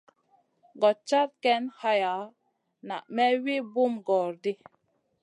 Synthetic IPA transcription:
ɡɔ˨t͡ʃa˦ɾkɛ˦nha˦ja˨˦ | na̰˨ʔmɛ˦wi˦bu˦mɡɔ˨ɾdi˦

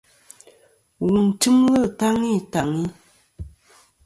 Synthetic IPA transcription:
ɣu˨n˨tɨ˦mwə˦˨ta˦ŋi˦˨ta˨ŋi˦

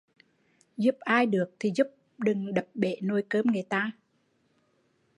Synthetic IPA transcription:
zu˦˥p̚ʔaː˧jɗɨ˨˩ək̚t̪ʰi˨˩zu˦˥p̚ | ɗɨ˨˩ŋɗə˨˩p̚ɓe˧˩˦no˧jkəː˧mŋɨ˨˩˨jt̪aː˧

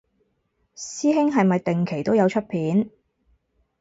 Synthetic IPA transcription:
siː˥ɦɪ˥ŋɦɐ˨jmɐ˨jt̪ɪ˨ŋkʰe˨˩jt̪o˥wjɐ˨˧wt͡ʃʰɵ˥t̚pʰiː˨˥n

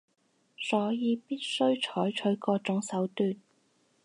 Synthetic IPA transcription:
sɔː˨˥jiː˨˧piː˥t̚sɵ˥ɥt͡ʃʰɔː˨˥jt͡ʃʰɵ˨˥ɥkɔː˧t͡ʃʊ˨˥ŋsɐ˨˥wt̪yː˧n

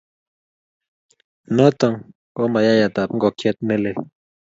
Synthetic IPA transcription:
nə˦t̪ə˨ŋ | kɔ˦ma˨ja˦ja˨t̪a˨pŋ̩˦ɡɔ˨kʰe˦t̪̚ne˦le˨

